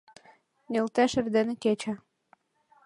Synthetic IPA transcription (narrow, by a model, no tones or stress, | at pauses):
nʲelt̪æʃɘ̆rd̪ĕnĕket͡ɕæ̆